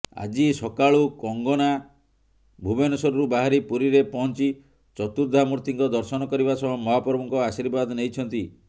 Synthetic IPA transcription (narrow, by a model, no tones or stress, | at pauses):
a̰d͡ʒisɔkaɭukɔŋɡɔna | bʱubenɔsɔɾɔɾubaɦaɾipuɾiɾepɔɦɔnt͡ʃi | t͡ʃɔt̪uɾd̪ʱamuɾt̪iŋkɔd̪ɔɾsɔnɔkɔɾibasɔbɔmɔɦapɔɾɔbɔŋkɔasiɾbad̪nejt͡ʃʰɔnt̪i